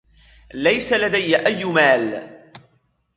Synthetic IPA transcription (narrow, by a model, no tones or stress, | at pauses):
lajsalad̪ajːaʔajːmaːl